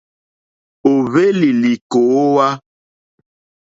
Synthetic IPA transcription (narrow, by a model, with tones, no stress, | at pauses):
o˨βe˦li˨li˨ko˨˦wa˦